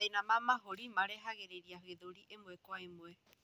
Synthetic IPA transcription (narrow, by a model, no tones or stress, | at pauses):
anãmãmaɦoɾimaɾeɦaɣeɾeɾiaɦɨed̪oɾiʔembuekoaemue